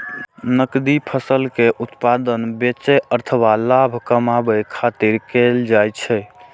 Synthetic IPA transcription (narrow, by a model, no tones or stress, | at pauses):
nəkd̪ipʰəsəlkeʔut̪pad̪ənbet͡ʃɛʔəɾt̪ʰəbalabʱkəmabəkʰat̪iɾkeld͡ʒajt͡ʃʰɛ